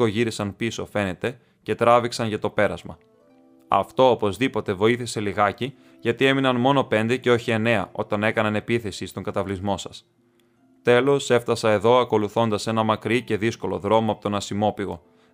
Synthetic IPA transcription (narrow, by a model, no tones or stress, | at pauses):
oʝiɾisɐnpiso̞fe̞ne̞t̪e̞ | ce̞t̪ɾɐviksɐnʝɐt̪o̞pe̞ɾɐzmɐ | ɐ̰ft̪o̞opo̞zðipo̞t̪e̞vo̞iθise̞liɣɐci | ʝɐt̪ie̞minɐnmo̞no̞pe̞nd̪e̞ce̞o̞çie̞ne̞ɐʔo̞t̪ɐne̞kɐnɐne̞piθe̞sist̪o̞ŋɡɐt̪ɐvlizmo̞sɐ̥s | t̪e̞lo̞se̞ft̪ɐsɐe̞ðo̞ɐko̞luθo̞nd̪ɐse̞nɐmɐkɾice̞ðisko̞lo̞ðɾo̞moɐpot̪o̞nɐsimo̞piɣo̞̰